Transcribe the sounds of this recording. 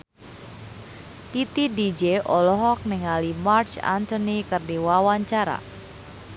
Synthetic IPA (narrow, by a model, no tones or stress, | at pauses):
t̪it̪idid͡ʒeʔɔlɔɦɔk̚nɛŋalimart͡ʃa̰nt̪ɔnikɨrdiwawaɲt͡ʃaɾa̰